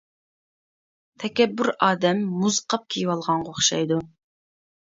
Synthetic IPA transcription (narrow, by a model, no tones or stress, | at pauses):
t̪ʰɛkʲɛbːyɾɑːd̪ɛmːuzqʰɑp̚kʲʰijwɑlˠʁɑɴʁoχʃɑjd̪u